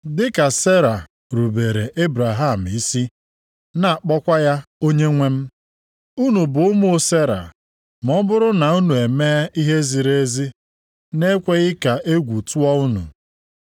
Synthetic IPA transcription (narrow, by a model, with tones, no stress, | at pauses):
dɪ˦ka˨se˦ɾa˨ | ɾu˨be˨ɾe˨ʔe˦bɾa˨ɦa˦˨m̩˨i˦si˦ | na˦a˨k͡pɔ˦kʷa˦ja˦o˦ɲe˦ŋʷe˦m̩˦ | u˦nu˨bʊ˨ʊ˦mʊ˦o˦se˦ɾa̰˨ | mɔ˦bʊ˦ɾʊ˦na˨u˦nu˨e˨meː˦i˦ɦe˦zi˨ɾe˦zi˦ | ne˦kʷe˦ɣɪ˦ka˨ʔe˦ɡʷu˨tu˦ɔ˦u˦nṵ˨